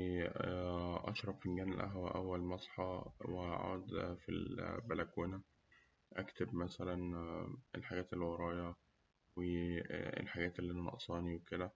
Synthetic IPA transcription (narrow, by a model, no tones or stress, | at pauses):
ʔɑ̰ʃɾˤɑbfinɡæːnelʔæ̰ɦwæ̰ʔæwːælmɑsˤħɑweʕo̰ːd̪fḭlbælækuːnæ | ʔækt̪ebmæsælænḛlħaɡæːt̪elwɑɾˤɑːjɑ | weḛlħaɡæːt̪elːiʔænænɑ̰ʔsˤɑːniweked̪æ